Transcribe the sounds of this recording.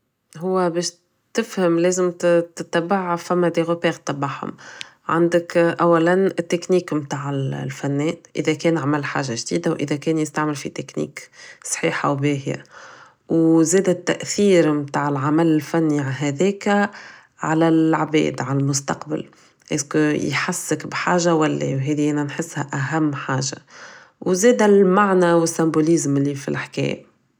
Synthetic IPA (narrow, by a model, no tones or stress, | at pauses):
ɦʊwːæbɛːʃ | t̪ɪfhəmlɛːzɪmt̪ɪt̪ːæbaʕfæmːæd̪iɣopɛːɣt̪ːɑbaʕhʊ̰m | ʕa̰nd̪əkʔæwːælænɪt̪ːɪkniːkmt̪aːʕɪlfænːɛːnʔɪ̰ðækɛːnʕamælːħa̰ːʒːaʒd̪ḭːd̪awʔɪ̰ðækɛːnjəst̪aʕmɪlfḭt̪ɪknḭːksˤħḭːħa̰wbɛːɦḭja̰ | wzɛːd̪æt̪ːæʔθiːɾmt̪aːʕɪlʕamælɪlfænːiʕanɦæðɛːk | ʕalælʕbɛ̰ːd̪ʕalælmʊst̪ɑ̰qba̰l | ʔḛskjħasːɪkbħaːʒawælːɛ̰wɦɛːðiʔænænħɪsːhæʔæɦæmːħaːʒa̰ | wzɛːd̪ælmaʕnæwɪsːæmbulizmɪlːifḭlʔaħkɛ̰ːjæ